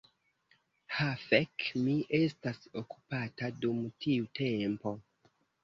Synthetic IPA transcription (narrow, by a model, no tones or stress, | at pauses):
hafekmiʔe̞stasoku̥patadumtʰiutʰempo̞